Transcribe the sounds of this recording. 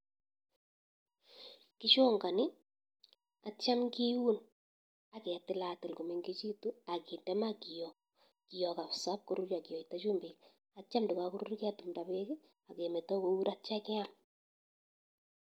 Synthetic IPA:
kɪ˦t͡ʃo˦ŋɡa˨nɪ˦ | a˨t͡ʃa˦mŋki˦wu˦n | a˨ke˨a˨tɪ˦la˨tɪ˨lku˨me˨ŋɡe˦t͡ʃi˦tu˦a˨ki˨ndɛ˦ma˦ki˨jɔ˨ | ki˨jɔ˨ka˨psa˦p̚ko˨ɾu˦t͡ʃa˨ki˨ɔ˨ita˦t͡ʃu˦mbi˨k | a˨t͡ʃa˦mdɪ˨ka˨ku˦ɾu˦ɾkɪ˦a˦tu˨mda˨be˦ke˦ | a˨ke˨mɛ˨tɔ˦ko˦u˦ɾa˦t͡ʃa˦kɛ˦a˦m

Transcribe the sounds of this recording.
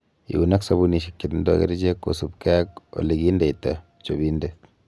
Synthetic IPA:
ḭ˨u˨na˦ksɐ˦βu˦ni˨ʃ̬ikːi˨tndɔ̰˦ɣḛ˦ɾid͡ʒe˦kːo̰˨supkɛko̰˨liɡi˦nde˨jta˨ | t͡ʃobi˦nde

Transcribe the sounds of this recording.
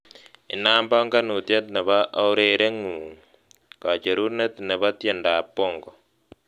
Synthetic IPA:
ɪ˨naː˦mbɔ˦ŋɡa˦nu˨t̪je˦t̪ne˨βa˦ʔa˦u˦ɾe˨ɾe˦ŋuː˨ | ka˨t͡ʃe˨ɾu˦ne˦t̪ne˨βa˦t̪je˨nda˨pːo˦˨ŋɡɔ˨

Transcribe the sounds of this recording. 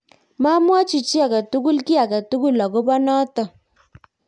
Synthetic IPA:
ma˦mwa˦t͡ʃi˨t͡ʃi˦a˨ka˨tu˦ku˦lki˦a˨ka˨tu˦ku˦˨la˨ko˦bɔ˦nɔ˦tɔ˨

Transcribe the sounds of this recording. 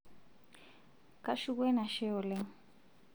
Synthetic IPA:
kʼa˦ʃu˦kwɛ˦na˨ʃɛ˦ʊ˨lɛ˦

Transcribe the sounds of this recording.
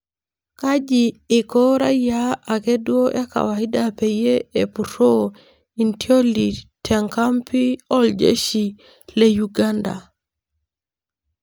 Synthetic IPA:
ka˦d͡ʒiː˨kɔ˦ɾa˦ja˦a˨ke˦dwo˦ʔe˦ka̰˨wa˨i˦da˦pe˨je˦e˨puɾo˦ | i˨ntio˦li˨tʰɛ˨ŋka˦mpi˦ɔ˦ld͡ʒḛ˦ʃi˨ | le˦juɡa˦nda̰˨

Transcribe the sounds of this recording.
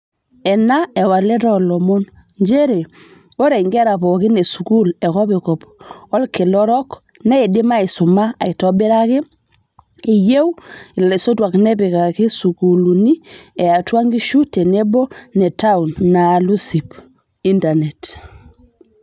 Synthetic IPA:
ɛ˨na˦ɛ˨wa˨lɛ˦tɔlɔ˨mo˦n | ɲd͡ʒe˦ɾe˨ | o˦ɾe˨ŋɡɛ˦ɾa˨pɔ˨ki˦ne˨su˨ku˦lɛ˨kɔ˦pi˨kɔ˨pwa˦lke˨lɔɾɔk | nɛ˦edi˦ma˦i˨su˨ma˦a˨i˨tɔbi˦ɾa˦ke˦ | i˨je˦wi˨le˨so˦twa˨knɛpika˨ki˦sukulu˨ni˦ɛ˨a˨twa˦ŋɡi˦ʃu˦te˨nebɔ˦nɛ˨ta˦unːalu˦si˨p | i˦ntane˨t

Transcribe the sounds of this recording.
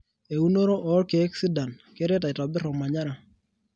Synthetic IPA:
e˨u˦no˦ɾo˦ʔɔː˨˦lke˨a˦ksɪ˦da˨nke˦ɾɛ˦ta˨ɪ˨tɔ˨bɪ˦ɾɔ˨ma˨ɲa˦ɾa˨

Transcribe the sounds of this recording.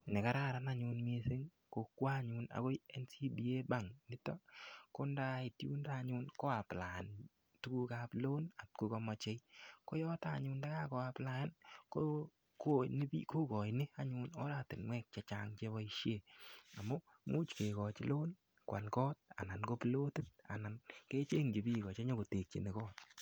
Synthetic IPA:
ne˨ka˦ɾa˦ɾa˦na˦ɲʊ˧nme˦sɪ˦ŋ | ko˨kːwa˦ɲʊ˧na̰˨ɡo˦ɛ˦nsi˦bi˨e˦ba˦˨ŋnɪ˦tɔ˦ko˦nda˦ɪ˨tjṵ˦nda˦˨ɲʊ˦nkɔ˦a˨pla˨n | tu˦ku˦ka˦plo˦na˨tku˨kɔ˧mɔ˨t͡ʃe˦jko˦jɔ˦ta˨ɲʊ˧nda˦ka˦kɔ˨a˧pla˦nko˦ | ko˦ni˦bḭ˦ku˦kɔ˨jnɪ˦a˦ɲʊ˧nɔ˦ɾa˦˨tɪ˨nmwɛ˦k̚t͡ʃa˨t͡ʃaŋt͡ʃe˦bɔ˦iʃje˦˨a˨mɔ˦ | mu˦t͡ʃke˨kɔ˨t͡ʃlo˦n | kwa̰˨nkɔː˦t̚a̰˨na˨nko˦plo˦ti˦t̚a̰˨na˨nke˦t͡ʃe˦ŋd͡ʒi˨bi˦˨kɔ˨t͡ʃa˦ɲɔ˦ko˨te˨k̚t͡ʃḭ˨nɪ˨kɔː˦t

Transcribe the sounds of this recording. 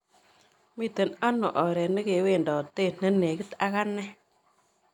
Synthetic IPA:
mi˦˨tə˨na˦nːo˨ʔɔ˨ɾe˨nə˦ke˨we˦˨ndɔ˨tːe˦˨n̥ə˦nːe˨ɡi˦ta˦ka˦nːe˦

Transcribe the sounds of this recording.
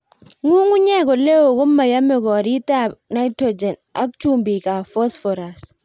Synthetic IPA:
ŋu˦ŋʊ˦ɲɛ˦kɔ˨le˦wo˨kʊ˦mːa˨ja˦mɪ˨kɔ˨ɾi˦ta˦pna˦ɪ˦tɾo˨d͡ʒɛ˨na̰˦kt͡ʃu˦mbi˨ka˨fɔ˦sfɔ˨ɾa˨s

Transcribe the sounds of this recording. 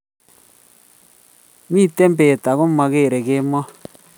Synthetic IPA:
mi˦˨t̪e˦mbe˨t̪a˨ɣo˦ma˨ɣe˦˨ɾe˨ɣe˦mɔ˦

